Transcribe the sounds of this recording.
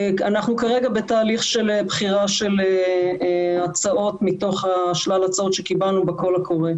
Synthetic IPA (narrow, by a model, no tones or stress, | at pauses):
anaχnukaʁeɡabe̞t̪aːliχʃelebχiʁaʃe̞le | at͡saʔo̞tmito̞χaʃlalat͡sao̞t̪ʃekibalnubako̞lakʰo̞ʁe